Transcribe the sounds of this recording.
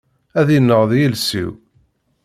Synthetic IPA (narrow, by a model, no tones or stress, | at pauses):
æðjnːəʁðjəlsḭw